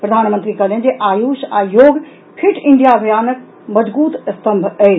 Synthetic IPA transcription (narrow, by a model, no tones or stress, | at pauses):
pɾɐd̪ʱaːnmənt̪ɾikɐlẽnd͡ʒeʔaːjuːʃajoːɡ | pʰiʈʰɪɳɖijabʱɐjaːnək̚ | mɐd͡ʒbuːt̪st̪ɐmbʱəj